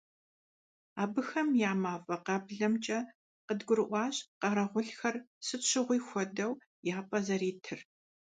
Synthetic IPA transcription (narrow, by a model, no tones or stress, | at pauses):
aːbɨxɐmjaːmaːfʼɐqɑːbɮɐmt͡ʃʼɐ | qədɡʷʊɾɨʔʷɑːɕqɐɾɐʁʷʊɬxɐrsɨt͡ʃʰɪʁʷiːxʷɔdɐw | jaːpʼɐzɐɾiːtʰɨr